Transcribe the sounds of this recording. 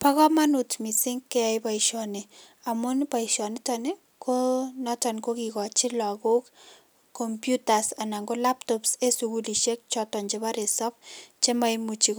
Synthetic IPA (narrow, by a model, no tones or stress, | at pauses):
pakɔmanutmisɪŋkːeaibaiʃɔneamʊnpaiʃɔnɪtane | kʰonɔtankokikɔt͡ʃilɔɡok | kːompjutasanaŋɡolap̚tɔpsesuɡuliʃek̚t͡ʃɔtɔɲd͡ʒeβaɾesɔpt͡ʃemaimut͡ʃik